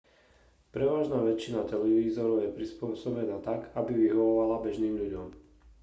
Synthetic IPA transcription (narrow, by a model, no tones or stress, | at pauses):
pɾɛʋaːʒnaːʋɛt͡ʃːinat̪ɛlɛʋiːzɔɾɔʊjɛpɾispʊɔsɔbɛnaːt̪aɡabiʋiɦɔʋɔʋalabɛʒniːmʎuɟɔm